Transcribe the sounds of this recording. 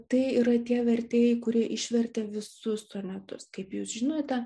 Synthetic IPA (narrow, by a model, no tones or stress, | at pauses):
t̪ɐɪiɾɐt̪ʲiɛʋʲɛɾʲt̪ʲeːjɛɪkʊɾʲiɛʔɪʃʲʋʲɛɾʲt̪ʲɛʋʲɪsʊssoːmʲɛt̪ʊskɐɪpjuːsʒʲɪnoːt̪ʲɛ